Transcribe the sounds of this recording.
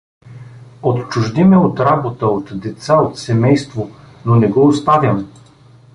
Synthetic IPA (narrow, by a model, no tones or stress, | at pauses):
ot̪t͡ʃʊʒd̪imɛot̪ɾabot̪əot̪d̪ɛt̪saot̪sɛmɛjst̪vo | nonɛɡɔost̪avʲjəm